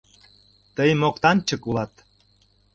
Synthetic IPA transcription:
t̪əjmokt̪ɑnt͡ɕəkulɑt̪

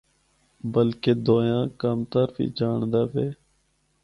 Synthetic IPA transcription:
bəlkeːd̪oːjãːkaːmt̪aːɾfḭːd͡ʒaːɳd̪aːʋeː

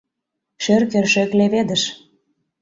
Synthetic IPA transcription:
ʃørkørʃø̆kleβed̪əʃ

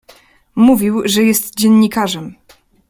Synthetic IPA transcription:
muvʲiwʐɛjɛst̪d͡ʑɛnːikaʐɛm

